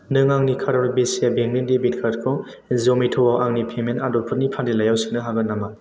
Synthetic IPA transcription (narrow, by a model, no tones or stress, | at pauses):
nɯŋaŋnikʰaɾɔɾbesabeŋnindebit̚kʰatkʰɔ | zomitʰɔwawʔaŋnipʰemenadɔpʰɯnipʰandilajawsɯŋnɯɦaɡɯnːama